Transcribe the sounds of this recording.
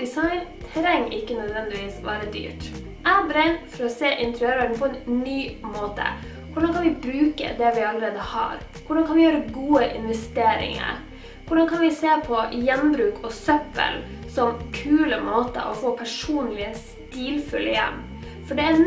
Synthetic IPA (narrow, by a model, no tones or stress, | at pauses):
ɪsɑɪnt̪ʰɾɛŋːʔɪkːənœd̪ʋɛnd̪ɪʋiːsʋɑːɾəd̪y̰ːʈ | ʔæbɾɛɪnfɔɾɔseːʔɪnt̪ʰɾøɾʋæɖɳ̩pʰɔɛnːyːmoːt̪ə̰ | kʊɖɑnkʰɑnʋɪbɾʉːkə̰d̪ɛʋɪɑləɾeːd̪əhɑ̰ːɾ | kʊɖɑnkʰɑnʋɪjøːɾəɡuːəʔɪnʋɛst̪eːɾɪ̰ŋə̰ɾ | kʊɖɑnkʰɑnʋɪseːpʰɔjɛnbɾʉːkʰɔsœpːə̰l | sɔmkʰʉːləmoːt̪ə̰ʔɔ̰foːpʰæʂuːnlɪəs | t̪iːlfʉlːəjɛ̰mː | fɔɖɛː